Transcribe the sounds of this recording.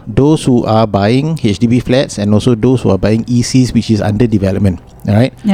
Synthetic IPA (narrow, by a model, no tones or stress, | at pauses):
doshuʔabajĩŋet͡ʃdibiflɛtsɛ̃nɔlsodoshuabajĩŋisiswit͡ʃisã̰ndədivɛləp̚mə̃n | ɹaɪt̚